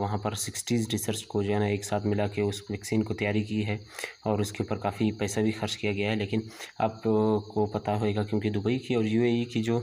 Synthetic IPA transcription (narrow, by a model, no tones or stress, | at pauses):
ʋɐɦãpɐɾsɪksʈiːzɖɪsəɾsʈkod͡ʒɛːnaeːksaːt̪ʰmɪlakeʊsʋɛːksiːnkot̪ɐjaːɾikiɦɛ | ɔːɾʊskeuːpəɾkaːfipɛːsabʱixɐɾt͡ʃkijaɡɐjaɦɛleːkɪna̰ːpkopɐt̪aɦoːeːɡakjõːkid̪ʊbəikiɔːɾjuːeikid͡ʒoː